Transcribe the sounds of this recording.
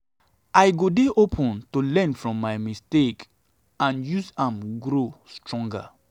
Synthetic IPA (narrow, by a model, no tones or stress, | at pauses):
ʔaɪɡodeʔopʰɔ̃ntolɛ̃nfɹɔ̃mːajmistek | ãnjusãmɡɾostɹɔ̃ŋɡa̰